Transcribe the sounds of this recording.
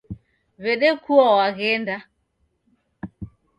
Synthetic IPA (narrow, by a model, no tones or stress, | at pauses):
βɛɗɛkuɔwaɣɛnda